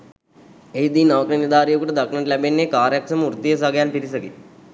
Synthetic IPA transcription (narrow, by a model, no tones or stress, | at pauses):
eɦid̪iːnɐʋəkɾinid̪aːɾijəkuʈɐd̪ɐknəɳʈlɛbenːekaːɾjɐksɐmuɾt̪ijes̬aɡjaːnpiɾisəɡi